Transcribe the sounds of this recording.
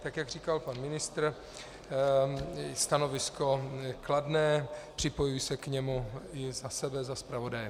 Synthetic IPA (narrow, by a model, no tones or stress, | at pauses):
t̪akjaɡr̝iːkalpanmɪnɪst̪ɾ | st̪ano̞vɪsko̞kladnɛːpr̝̥ɪpojujsɛkɲɛmuɪzasɛbɛzaspɾavo̞dajɛ